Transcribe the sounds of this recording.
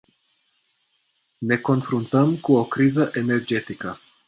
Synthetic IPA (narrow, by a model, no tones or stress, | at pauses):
ne̞ko̞nfɾunt̪əmkuokɾizəʔene̞rd͡ʒe̞t̪ikə